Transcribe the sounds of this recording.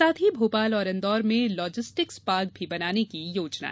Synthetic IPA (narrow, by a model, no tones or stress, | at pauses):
aːt̪ʰibʱoːpaːlɔːɾɐ̃nd̪ɔːɾmẽlɔːd͡ʒɪsʈɪkspaːɡ̚bʱibɐnaːnekijoːt͡ʃna̰